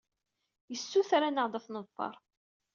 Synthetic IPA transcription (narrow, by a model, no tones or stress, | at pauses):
jəsːuθɾanəʁd̪ˤəθnəfːɑ̰ɾˤ